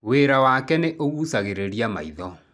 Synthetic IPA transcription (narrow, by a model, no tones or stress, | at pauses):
weːɾawakɛneʔoɣuːsaɣeɾeɾijama̰iðɔ